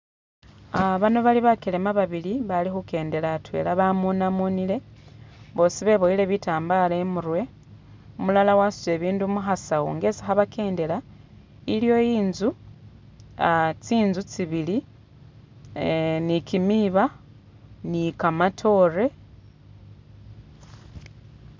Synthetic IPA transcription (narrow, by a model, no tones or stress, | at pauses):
aβano̞βaliβakele̞maβaβiliβalixuke̞ːnde̞latwe̞̰ːlaβamunamunile̞ | βo̞ːsiβe̞βo̞ile̞βitaːmbalemuɾwe̞ | umulalawasu̥t͡se̞ːβiːndumuxasawo̰ŋɡe̞si̥xaβake̞ːnde̞la | iljo̞jiːnzu | t͡siːnzut͡siβili | nikimiβa | nikamatʰo̞re̞